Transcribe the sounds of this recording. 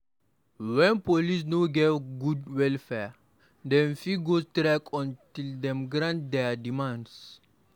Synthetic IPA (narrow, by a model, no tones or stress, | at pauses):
wɛ̃npolis̬noɡɛɡudwɛlfɛ | dɛ̃mfiɡostɾakʰɔ̃ntildɛ̃mɡɹãntdɛdimãnds